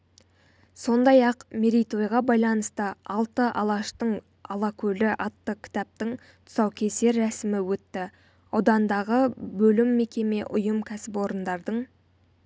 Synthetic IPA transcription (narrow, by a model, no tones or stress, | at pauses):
so̞nd̪ɑjɑqmeɾijt̪o̞jʁɑbɑjlˠɑnəst̪əɑlˠt̪əʔɑlˠɑʃt̪əɴ | ɑlˠɑkʲʰɵlɪʔɑt̪ːəkʲʰɪ̥t̪ɑp̚t̪əɴ | t̪ʰʊ̥sɑwkʲʰe̞se̞ɾːæsɪmɪwɵt̪ːɪ | ɑwd̪ɑnd̪ɑʁəbɵlɪmːe̞kʲe̞me̞ʔʊjəmkʲʰæsɪpo̞ɾənd̪ɑɾd̪əɴ